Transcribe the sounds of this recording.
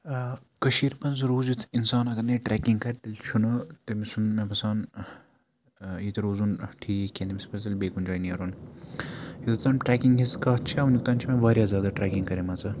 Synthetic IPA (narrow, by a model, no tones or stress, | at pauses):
kɐʃiːɾmɐnzɾuːzit̪ʰinsaːnɐɡɐɾneʈɾɛːkiŋɡkɐɾʲt̪ɐlʲt͡ʃʰunɐt̪ɐmisunmepɐsaːn | jit̪ɐɾoːzunʈʰiːkkʲːẽnd̪imispɐt̪ɐlʲbeːkund͡ʒaːjniɐɾun | jit̪ɐt̪aːnʈɾɛːkiŋɡɦiskɐːtt͡ʃʰiɐʋnʲjuk̚t̪aːnt͡ʃʰimẽʋɐːɾʲjaːzʲjaːd̪aʈɾɛːkiŋɡkɐɾemɐt͡sɐ